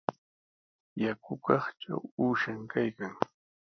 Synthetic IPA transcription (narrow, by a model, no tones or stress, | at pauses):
jakʊkɑχʈ͡ʂa̰wuːʃaŋkʰajkaŋ